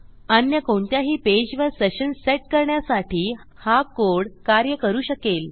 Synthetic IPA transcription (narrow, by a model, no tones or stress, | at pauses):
ənjəkoɳt̪jaɦiːped͡ʑʋəɾseɕənseʈ̚kəɾɳjasaʈʰiːhakoɽkaɾjəkəɾuːɕəkel